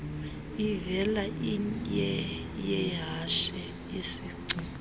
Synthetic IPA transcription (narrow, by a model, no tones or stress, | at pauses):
ivɛlaʔijɛ | jɛjaʃɛ | isiːǀi